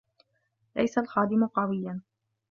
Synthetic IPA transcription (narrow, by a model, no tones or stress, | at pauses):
la̰jsalxɑːd̪ɪmʊqɑwɪjːan